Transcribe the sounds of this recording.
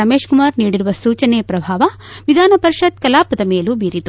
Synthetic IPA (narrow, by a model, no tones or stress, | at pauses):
ɐmeːʃkumaːɾniːɽiɾuʋɐsuːt͡ʃɐneːpɾɐbʱaːʋɐʋid̪ʱaːnɐpɐɾiʃɐt̪̚kɐlaːpɐd̪ɐmeːlubʱiːɾit̪u